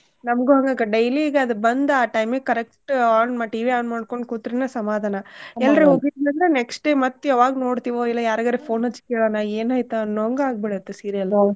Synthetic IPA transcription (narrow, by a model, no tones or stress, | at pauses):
nɐmɡuɦɐŋɡɐɡɐɖɐjliɡeɐd̪ubɐnd̪aːʈɐjmɡekɐɾekʈːaːnmaʈiːʋiaːnmaːɖ̚ko̞ɳɖkuːt̪ːɾinɐsɐmaːd̪ʱaːnɐɛlːɐɾeɦoːɡid̪ɐnd̪ɾeneksʈɖeːmɐt̪ːɐʋaːɡɐnoːɽt̪iːʋoilːɐjaːɾɐɡɐɾefoːnɦɐt͡ʃːkeːɭɐnaeːnaːjt̪uɐnːoŋɡaːɡ̚bɛɽɐt̪ːesiːɾijɐlː